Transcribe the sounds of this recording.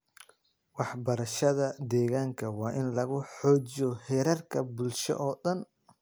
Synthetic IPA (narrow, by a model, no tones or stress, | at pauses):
wɑħbɐɾɐʃɐðɐd̪ɛːɣaːŋkʰɐwɑːʔɪnlɐɣʊħɔːt͡ʃjɔhɛɾɐrkʰɐbʊlʃɔ̰ʔɔːɗɐn